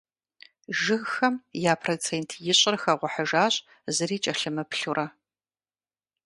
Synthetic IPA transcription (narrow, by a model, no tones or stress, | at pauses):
ʒɪɣxɐmjaːpʰrot͡sʰeːntʰjɪɕʼɪrxɐʁʷɔħɐʒaːɕʼ | zɨɾiːt͡ʃʼɐɬɨmɐpʰɬurʔɐ